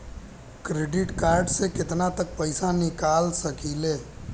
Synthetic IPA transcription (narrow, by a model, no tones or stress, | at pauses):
kɾeɖɪʈkaɾɖsekɪt̪nat̪ək̚pəɪsanɪkalsəkile